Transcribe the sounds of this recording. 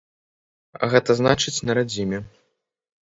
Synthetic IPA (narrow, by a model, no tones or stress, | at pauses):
ɣɛt̪ɐznat͡ʂɨt͡sʲnɐɾad͡zʲimʲɛ